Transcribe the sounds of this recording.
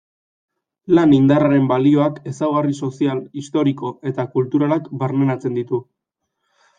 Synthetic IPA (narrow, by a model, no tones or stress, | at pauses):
lanind̪araɾe̞mbalio̞ake̞sawɣ̞ariso̞sialist̪o̞ɾiko̞ʔe̞t̪akult̪uɾalakbaɾnenat͡se̞nd̪it̪u